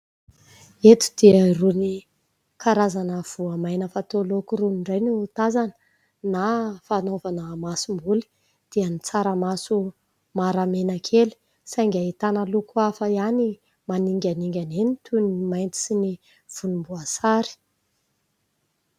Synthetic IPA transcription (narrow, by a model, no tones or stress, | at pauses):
et̪u̥d̪̥iəiruni | kʰaɾazanəv̥uamajnəfat̪olokuɾuniɳɖ͡ʐajniut̪azanə̥ | nafanovanəmasumbuli̥ | d̪̥iənit͡saɾəmasu | maɾamenəkʰeli̥ | saŋɡʲait̪anəlukuafəiani | maniŋɡʲaniŋɡʲanenit̪ʰunimajnt̪i̥sini | v̥unumbuasaɾi̥